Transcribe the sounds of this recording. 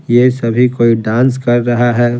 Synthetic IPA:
jesɐbʱikoːiɖãːnskɐɾːɐɦaɦɛː

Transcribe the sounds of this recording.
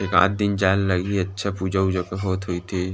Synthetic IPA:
eka̰ːt̪̚d̪ɪnd͡ʒaːlːɐɡiiɐtːʃʰapuːd͡ʒaud͡ʒəkaɦoːt̪ɦoit̪ʰi

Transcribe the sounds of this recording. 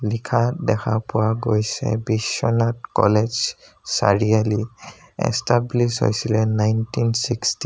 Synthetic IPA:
likʰadɛkʰapʊwaɡojsɛ̰bisɔnatkɔ̰led͡ʒ | sa̰ɹiali | ɛ̰stablisɦo̰jsilɛnajntinsiksti

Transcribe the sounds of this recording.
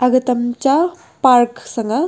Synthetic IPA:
ɐɡɐt̪ɐmt͡ʃa | paɾksɐŋɡɐ

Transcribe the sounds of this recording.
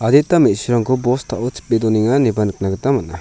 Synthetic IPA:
ad̪it̪amitsuɾaŋkʰɔbɔst̪ʰaʔɔt͡ʃi̥pːed̪ɔniŋanibanɯk̚naɡət̪amaʔna

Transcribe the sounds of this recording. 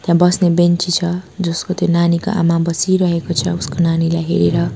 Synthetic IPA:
t̪jãbʌsnebent͡sit͡sʰʌd͡zʌskot̪jonaniko̰ʔa̰mabʌsiɾʌɦekot͡sʰʌuskonanilajɦeɾeɾʌ

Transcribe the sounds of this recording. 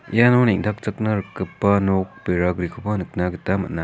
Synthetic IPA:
janoneŋtʰak̚t͡sɐk̚nɐɾɯkːɯpːɐnok̚peɾaɡɾikʰopːanɯk̚naɡitamɐ̰na

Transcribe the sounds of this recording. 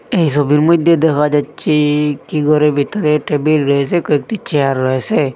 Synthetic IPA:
ejs̬ɔbiɾmod̪ʱjed̪ekʰad͡ʒatːt͡ʃʰikiɡɔɾebʱit̪ɔɾeʈebilɾɔesekoekʈit͡ʃeaɾːɔese

